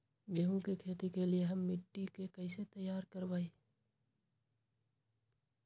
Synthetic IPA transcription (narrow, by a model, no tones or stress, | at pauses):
beːɦũkekʰeːt̪ikelieɦɐmːɪʈːikekɐɪset̪əjːaːɾkəɾbaːi